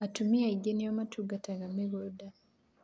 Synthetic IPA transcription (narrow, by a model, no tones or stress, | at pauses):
atumiaiɡenijamatuɡataɣameɣoda